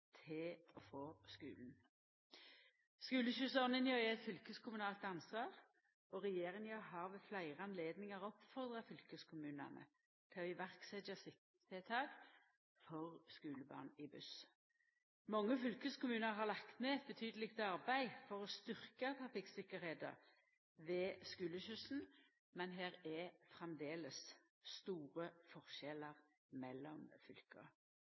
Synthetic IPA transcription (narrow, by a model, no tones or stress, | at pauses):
t̪ʰɪlɔfoːskʉ̰ːln̩ | skʉːləɕʉːsɔʁnɪnjɑɛɛt̪fʏlkəskʰʊmʉnɑːlt̪ɑnsʋɑːʁ | ɔʁɛjeːʁɪŋjɑɦɑːʁʋeflæɪʁəɑnleːd̪nɪŋəʁɔpfɔʁd̪ʁɑfʏlkəskʰʊmʉːnə̰nə̰ | t̪ʰɪɔɪʋæʁksɛd̪jɑsɪk | ɛt̪ʰɑːɡ | fɔʁskʉːləbɑ̰ːʁnɪbʉs | mɑŋːəfʏlkəskʊmʉːnəɾɦɑlɑkt̪meːɛt̪̚bət̪ʰyːd̪əlɪkt̪ɑʁbæɪfɔʁɔst̪ʏʁkət̪ʰɑfɪksɪkəɾheɪd̪ə̰ʁ | ʋeːskʉːləçʉsn̩ | mɛnɦeːʁɛfʁɛmd̪eːləs | st̪uːʁəfɔʁʃɛləʁ | mɛlːɔmfʏlkəə